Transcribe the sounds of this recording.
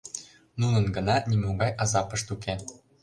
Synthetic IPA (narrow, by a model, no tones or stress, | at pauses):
nunɤ̆nɡɤ̆nɑnʲimoɡɑjɑzɑpɤ̆ʃt̪uke